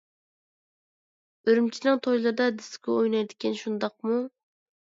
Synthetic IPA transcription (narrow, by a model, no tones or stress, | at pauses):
øɾymt͡ʃʰinɨŋt̪ʰojlˠɨɾɨd̪ɑd̪ɪsɪ̥kʲɛojnɑjd̪ɪkʲʰinʃund̪ɑq̚mu